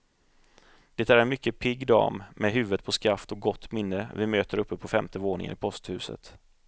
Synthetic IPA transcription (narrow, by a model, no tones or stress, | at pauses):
d̪̥ɛt̪æɾɛnmʏkːəpʰɪɡːd̪ɑ̰ːmmɛɦʉ̟ːvət̪̚pʰɔskɾaft̪ɔk̚ɡɔt̪ːmɪnːəvɪmøːt̪əɾɵpːəpʰɔfɛmt̪əvoːnɪ̰ŋə̰nɪpʰɔst̪hʉ̟ːsə̰t̪